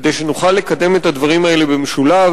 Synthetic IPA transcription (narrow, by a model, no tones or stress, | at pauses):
d̪ejʃenuχalːe̞kɐd̪e̞me̞t̪ad̪vaʁ̞imae̞lebemeʃulav